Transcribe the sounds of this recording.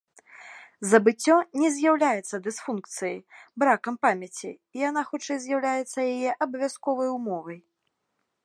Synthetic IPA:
zɐbɨt͡sʲːɔnʲɛzʲjawlʲajɛt̪sːɐd̪ɨsfunkt̪sɨjɐjbɾakɐmpamʲɐt͡sʲḭːjanaxut͡ʂɛjzʲjawlʲajɛt̪sːɐjajɛʔɐbɐvʲaskɔvɐjumɔvɐj

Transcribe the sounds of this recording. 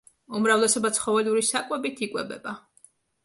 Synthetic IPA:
umɾavlɛsɔbat̪sʰχɔvɛluɾisakʼwɛbit̪ʰikʼwɛbɛba

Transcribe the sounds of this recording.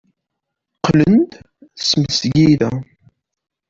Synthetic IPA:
qlənd̪ | θsməsɡiðæ

